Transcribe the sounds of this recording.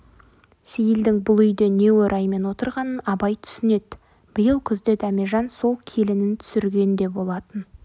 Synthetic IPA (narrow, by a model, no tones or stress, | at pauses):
sejɪld̪ɪŋbʊlˠʏjd̪ene̞wɵɾʔɑjme̞nwo̞t̪əɾʁɑnənɑbɑjt̪ʰʏ̥sɪne̞t̪ | b̥ɪjəlˠkʲʰʏzd̪e̞d̪æmeʒɑnso̞lˠkʲʰe̞lɪnɪnt̪ʰʏ̥sɪɾɡʲe̞nd̪e̞bo̞lˠɑt̪ən